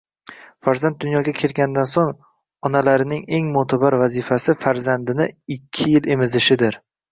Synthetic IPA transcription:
faɾzant̪̚d̪ʊnjɒɡʲakʲʰe̞lɡʲand̪ansoŋ | ɒnalaɾɪnɪŋe̞ŋmʊt̪ʰabaɾvazɪfasɪfaɾzand̪ɪnɪɪkʲʰːɪjɪle̞mɪzɪʃɪd̪ɪɾ

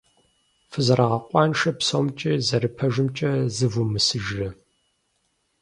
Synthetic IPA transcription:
fɨzɐrʔaʁɐqʷʼɑːnʃɐpsomt͡ʃʼɪzɐɾɨpʰɐʒɨmt͡ʃʼɐzɨvumɨsɨʒrɐ

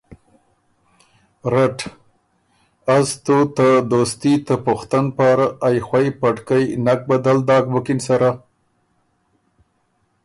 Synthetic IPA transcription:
ɾaʈ | azt̪ot̪əd̪ost̪it̪əpʊxt̪anpaɾaːjxwajpaʈkajnak̚bad̪ald̪ɑkbʊkɪnsaɾa

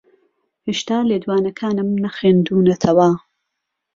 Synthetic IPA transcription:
heːʃt̪aːleːd̪waːnɐkʰaːnɨmnɐxeːnd̪uːnɐt̪ʰɐwɐ

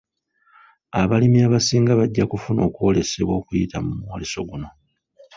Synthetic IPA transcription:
aβalimiaβasiːŋɡaβaɟːakufuno̞ːkuo̞le̞se̞βwo̞ːkujitamumwoleso̞ɡuno̞

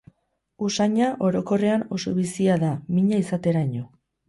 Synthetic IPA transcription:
usaɲaʔo̞ɾo̞ko̞re̞ano̞̰so̞βisiaðamiɲaisat̪e̞ɾaɲo̞

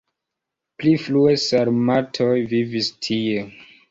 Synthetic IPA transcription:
plifluesaɾmatʰojvivistʰie

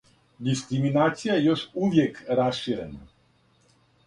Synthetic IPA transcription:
d̪iskɾiminaːt̪sijajejo̞ʃuʋjekɾasʃiːɾena

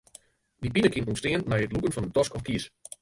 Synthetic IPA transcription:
dipinəkʰɪntunstɪənmɛjətlukənfɔnədɔskɔfkiəs

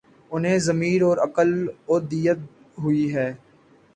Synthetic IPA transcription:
ʊnɦẽzɐmiːɾɔːɾɐkəloːd̪ijət̪̚ | ɦʊiɦɛː

